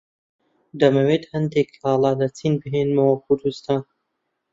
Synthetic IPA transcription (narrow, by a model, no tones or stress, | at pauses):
d̪ɐmɐweːt̪hɐnd̪eklɑːlɑːlɐt͡sʰinbɨɦeːnmɐwɐkʰʊɾd̪ust̪ʰaːn